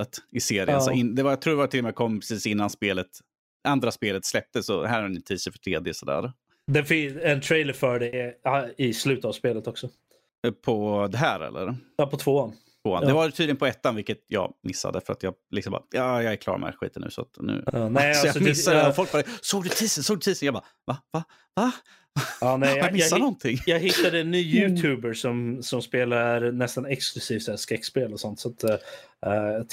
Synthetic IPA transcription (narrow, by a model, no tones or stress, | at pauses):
ət̪ɪseːɾɪənsɔɪnd̪ɛvajat̪ʰɾuːd̪ɛvaɾt̪ʰɪlːɔmɛjakʰɔmːpʰɛsiːsɪnːanspeːlət̪ | ʔand̪ɾaspeːlət̪slɛp̚t̪əsɔɦæːɾhaɛnɪt̪ʰiːsəfœ̥ʈʰɾeːd̪jəsɔd̪æ̰ːɾ | d̪ɛfɪɛnt̪ʰɾejləɾfœɖɛ | ɪslʉ̟ːt̪ət̪avspeːlət̪ɔksɔ | pʰɔd̪ɛɦæːɾɛ̰lːə̰ɾɑpʰɔt̪ʰvoːant̪voːand̪ɛvat̪yd̪ɪənpʰɔɛt̪ːanvɪlkːət̪jɑ̰ːɡmɪsːa̰d̪ɛfœɾa̰t̪jɑɡlɪksɔmba̰jɑːjɑːɡɛɾkʰlɑ̰ːɾmʔɛ̰ɧḭːt̪ənːʉ̟ːsɔa̰t̪nʉ̟̰ːnɛsɔjamɪsːafɔlk̚bɑːd̪ɛsoːɡd̪ɵt̪ʰiːsənsoːɡd̪ɵt̪ʰiːsənjɑːba̰ | vava | va | vaɑːnɛɪjjamɪsːanɔnt̪ʰɪŋːjɑːɡhɪt̪ːad̪ənːyːʉːʉːbəɾʂɔmsɔmspeːlaɾnɛst̪anɛksklɵsiːft̪sæːskɾɛkːspeːlɔsɔnt̪sat̪